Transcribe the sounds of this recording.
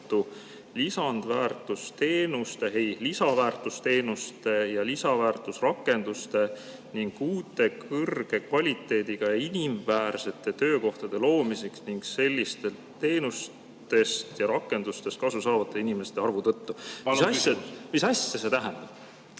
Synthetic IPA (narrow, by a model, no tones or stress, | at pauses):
t̪ːˑu | lisɑnd̪̥væːrt̪ˑust̪e̞ːnust̪e̞ɦe̞jlisɑvæːrt̪ˑust̪e̞ːnust̪e̞jɑlisɑvæːrt̪ˑusrɑkːˑe̞nd̪̥ust̪e̞ | niŋɡ̥uːt̪ːˑe̞kʰɤrɡ̥e̞kvɑlʲit̪ːˑe̞ːd̪iɡ̥ɑjiniɱvæːɾse̞t̪ːˑe̞t̪ø̞ːko̞ht̪ɑd̪̥e̞lo̞ːmiseksniŋɡ̥se̞lʲːist̪e̞l | t̪e̞ːnus | t̪e̞st̪jɑɾɑkːˑe̞nd̪̥ust̪e̞st̪̚kɑsusɑːvɑt̪ːˑeinime̞st̪eɑrvut̪ɤt̪ːuisɑmisɑsːese̞t̪æɦænd̪̥ɑb̥